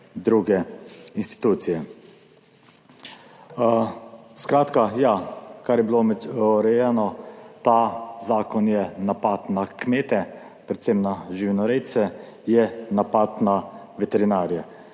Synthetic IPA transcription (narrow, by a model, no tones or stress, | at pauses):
d̪ɾuːɡɛinst̪i̥t̪uːt̪sijɛ | skɾaːt̪kajakaɾjɛbilomɛɔɾɛjanɔt̪azaːkɔnjɛnapat̪nakmeːt̪ɛ | pɾɛt̪semnaʒiwnɔɾɛjt̪sɛ | jɛnapaːt̪na | ʋɛt̪ɛɾinaːɾjɛ